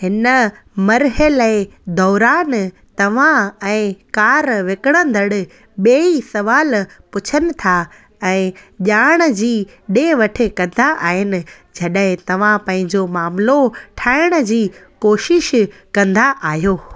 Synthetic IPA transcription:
ɦɪnə | mɐɾɦəlɛːd̪ɔːɾaːn | t̪ɐʋ̤ãɛ̃ːkaːɾʋekəɽ̃ə̃nd̪ʱɐɽɪ̆ | ɓeːĩsɐʋaːlpʊt͡ɕʰənɪ̆t̪ʰa | ɛ̃ːʄaːɽ̃ə̆d͡ʑiː | ɗeʋɐʈʰɪ̆kɐ̃nd̪aʔaːɦɪnɪ̆ | d͡ʑʱɐɗɦɪ̃t̪ɐʋ̤ãpɐ̃ɦɪ̃ɲd͡ʑomaːmloʈʰaːɪɽ̃ə̆d͡ʑiːkoːʃɪʃkɐ̃nd̪aʔaːɦijoː

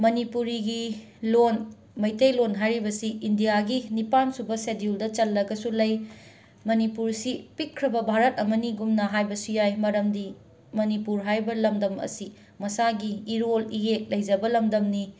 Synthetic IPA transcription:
mɐnipuɾiɡi | lon | mɐjtejlonɦajɾibɐsiindijaɡinipansubɐsediuldɐt͡ʃɐlːɐɡɐsulɐj | mɐnipuɾsipikkʰːɾɐbɐbʱaɾɐt̚ɐmɐniɡumnɐɦajbɐsujajmɐɾɐmdi | mɐnipuɾɦajbɐlɐmdɐmɐ̰si | mɐsaɡiːɾolijek̚lɐjd͡ʒɐbɐlɐmdɐmni

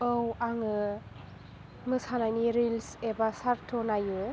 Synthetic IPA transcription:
ɯwaŋɯ | mɯsanajniɾilsebasaɾtʰɔnajɯ

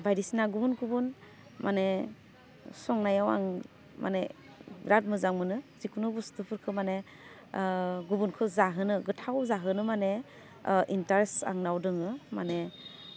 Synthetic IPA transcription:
bajdisnaɡubunɡubun | mʔane | sɔŋnajawa̰ŋ | ma̰ne | bɾat̚mɯzaŋmɯnɯzikunɯbustɯpʰɯɾkʰɯmane | ɡubunkʰɯzaɦɯnɯɡɯtʰawzaɦɯnɯmane | ʔintaɾesa̰ŋnawdɯŋɯmane

